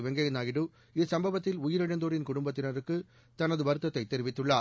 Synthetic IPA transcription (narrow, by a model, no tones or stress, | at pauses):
ʋɛŋɡɐjɐnaːjɪɽɯ | ɪsɐmbɐʋɐt̪ːɪlʊjɪɾɪɽɐnd̪oːɾɪnkʊɽʊmbɐt̪ːɪnɐɾɯkːɯ | t̪ɐnɐðɯʋɐɾɯt̪ːɐt̪ːɐɪt̪ːɛɾɪʋɪt̪ːɯɭːaː